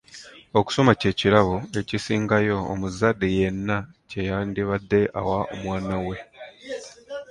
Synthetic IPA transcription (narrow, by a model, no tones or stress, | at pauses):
o̞ku̥so̞mace̞ːciɾaβoe̞cisiːŋɡajo̞̰ːmuzadːeje̞nːacejandiβadːe̞ʔa̰wao̰mwaːnawe̞